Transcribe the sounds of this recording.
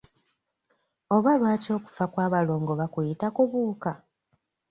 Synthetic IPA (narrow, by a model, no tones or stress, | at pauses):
o̞βalwaːto̞ːku̥fakwaːβalo̞ːŋɡo̞βakujitakuβuːka